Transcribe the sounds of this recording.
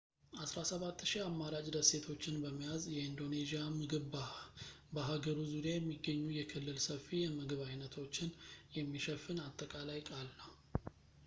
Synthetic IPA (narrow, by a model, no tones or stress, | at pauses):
ʔasɾasəβat̪ːʃiamːaɾat͡ʃʼd̪əse̞t̪ʰo̞t͡ʃːɪnbəmːijazjɛind̪o̞ne̞zijamɨɡɨβbabəɦaɡəɾuzuɾijajɛmːiɡːəɲːujɛkʰɨlːɨlsəfːijɛmɨɡɨβajnət̪ʰo̞t͡ʃːɪnjɛmːiʃɛfːɨnat̪ʼːəkʼalajkʼalnəw